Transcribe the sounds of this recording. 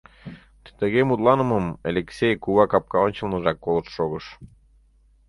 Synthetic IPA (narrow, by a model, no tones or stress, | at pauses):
t̪əɣemut̪lˠɑnə̆məmelʲeksʲejkuβɑkɑp̚kɑonʲt͡ɕə̆lnə̆ʒɑkːolɤt̪ʃoɣəʃ